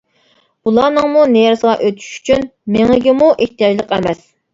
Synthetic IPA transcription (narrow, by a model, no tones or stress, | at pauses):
ulˠɑːnəŋmunejɛɾsəʁɑʔøt̪ʰy̥ʃy̥t͡ʃʰynmeŋɪɡʲɪmuʔeht̪ijɑd͡ʒlˠəqɛmɛs